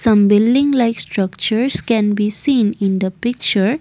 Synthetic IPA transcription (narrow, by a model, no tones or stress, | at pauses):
sʌ̃mbɪlɖɪ̃ŋlaɪksʈɾʌkt͡ʃəɾskɛ̃nbisĩːnɪ̃nd̪əpɪk̚t͡ʃəɾ